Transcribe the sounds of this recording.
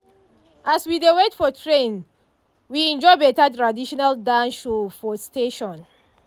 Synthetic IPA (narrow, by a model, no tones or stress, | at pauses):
ʔaswidewetfɔtʰɹẽn | wiɛ̃nd͡ʒɔɪbɛtatɹadiʃɔnaldãnʃufɔsteʃɔ̃n